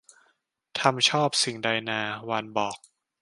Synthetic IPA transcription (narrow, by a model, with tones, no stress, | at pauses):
t̪ʰa˧mt͡ɕʰɔː˥˩p̚si˨˩ŋda˧jnaː˧wa˧nbɔː˨˩k̚